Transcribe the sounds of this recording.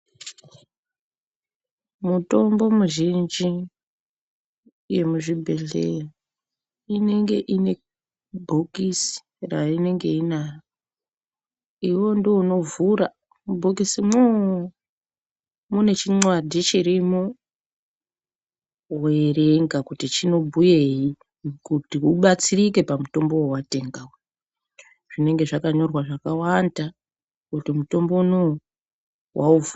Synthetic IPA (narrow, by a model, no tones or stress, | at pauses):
muto̞mbo̞muʒind͡ʒi | je̞muʐibʱe̞ɮḛra | ine̞ŋɡe̞ʔine̞ | bʱokisi̥ | ra̰ine̞ŋɡe̞inajo | iwo̞ndiuno̞vuɾa | mubʱokisimu | mune̞t͡ʃiŋ͡ǀwadʱit͡ʃiɾimu | were̞ŋɡakutit͡ʃino̞bʱuje̞ji | kutiuɓat͡sirike̞pamuto̞mbo̞wowate̞ŋɡawo | ʐ̥ine̞ŋɡe̞ʐakaɲo̞rwaʐakawanda | kutimuto̞mbo̞no | wʔauvu